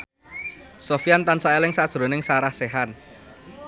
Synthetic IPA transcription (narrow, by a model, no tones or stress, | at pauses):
sofijant̪ansaelɪŋsad̥ʒ̥ɾo̤nɪŋsaɾahseɦan